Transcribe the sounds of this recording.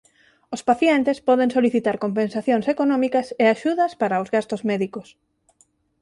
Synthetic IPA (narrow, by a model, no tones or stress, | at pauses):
ospaθjɛnt̪espɔðeŋsoliθit̪aɾkompẽnsaθjoŋsekonɔ̃mikɐseaʃuðɐspaɾaozɣast̪ozmɛðikos